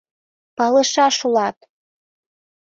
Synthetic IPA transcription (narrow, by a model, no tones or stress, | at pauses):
pɑlə̆ʃɑʃulɑt̪